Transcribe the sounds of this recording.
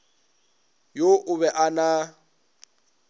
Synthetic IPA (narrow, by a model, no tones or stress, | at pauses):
joʔʊβɛʔana